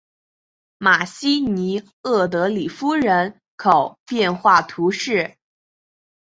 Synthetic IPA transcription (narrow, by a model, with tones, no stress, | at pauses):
ma˨˩ɕi˥ni˧˥ | ɤ˥˩t̪̬ɤ˧˥li˨˩fu˥ɻə˧˥n | kʰo˨˩˦ʊpjɛ˥˧nxwa˥˩t̪ʰu˧˥ʂɻ̩˥˩